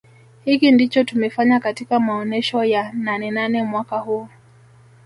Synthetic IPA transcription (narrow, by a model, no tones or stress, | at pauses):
hikindit͡ʃɔtumɛfaɲakatikamaɔnɛʃɔjananɛnanɛmwakahuː